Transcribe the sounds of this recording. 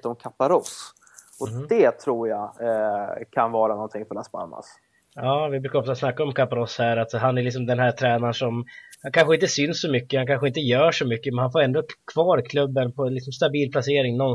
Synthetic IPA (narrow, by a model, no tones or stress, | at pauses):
t̪ɔmkʰapaɾɔs | ʔɔd̪ɛt̪ʰɾuːɾja | kʰanvɑːɾanɔnt̪ʰɪŋfœɾaspa̰ɾma̰s | ɑːvɪbɾʉ̟ːkaɔfsasnakːaɔmkʰapaɾɔshæːɾat̪ɦanæɾɭɪksɔmd̪ɛnɦæːʈ̪ʰɾɛːnanʂɔmhankʰanɧəɪnt̪əsʏnsːɔmʏkːəhankʰanɧəɪnt̪̬əjœːʂɔmʏkːəmɛnhanfoːɾɛnd̪ɔkʰv̥ɑːɾkʰlɵbːənpʰɔɪks̬ɔmst̪abiːlpʰlaseːɾɪŋnɔn